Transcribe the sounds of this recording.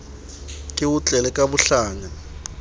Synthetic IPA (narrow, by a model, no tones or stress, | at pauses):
kʼɪwut͡ɬʼɛlɛkʼaβuɬaːŋa